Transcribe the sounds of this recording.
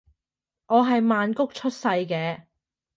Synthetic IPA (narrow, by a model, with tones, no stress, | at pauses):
ʔɔː˨˧ɦɐ˨jmaː˨nkʊ˥k̚t͡ʃʰɵ˥t̚sɐ˧jkɛː˧